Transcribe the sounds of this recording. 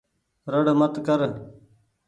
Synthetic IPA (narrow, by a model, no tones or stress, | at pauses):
ɾəɽmət̪kəɾ